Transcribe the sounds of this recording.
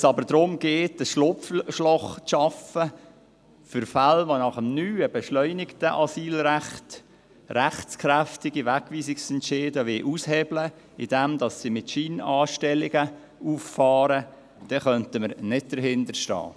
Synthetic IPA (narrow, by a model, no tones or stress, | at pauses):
sɑbəɾdɾʊmɡ̥eːtəsʃlʊpfʃlɔχʃɑfə | fʏɾfalʋonɑχəmnyːəbɛʃlœʏnɪktəʔɑsiːlɾæχt | ɾæχtt͡skʰɾæftɪɡiʋækʋiːsɪksɛntʃeːdəʋɪːʔushɛblə | ɪd̥ɛmd̥ɑsːimɪtʃiːnɑːʃtɛlɪɡə | uːfːɑːɾə | d̥ɛχœntəməɾnɪd̚d̥əɾɦɪndəɾʃtɑ̰ː